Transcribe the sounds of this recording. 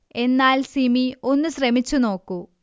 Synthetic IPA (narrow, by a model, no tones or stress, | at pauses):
e̞nːaːlsimio̞nːuɕrɐmit͡ɕːuno̞ːkːu